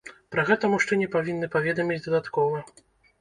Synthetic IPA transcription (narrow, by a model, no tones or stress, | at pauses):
pɾɐɣɛt̪ɐmuʂt͡ʂɛnʲɛpavʲinːɨpavʲɛd̪ɐmʲid͡zʲd̪ɐd̪at̪kɔvɐ